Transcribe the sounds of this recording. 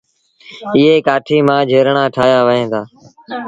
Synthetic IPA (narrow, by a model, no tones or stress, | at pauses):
ɪːɦeːkaːʈʰiːmãːd͡ʒʱeːɾɳãːʈʰaːjaːʋəɦẽːd̪aː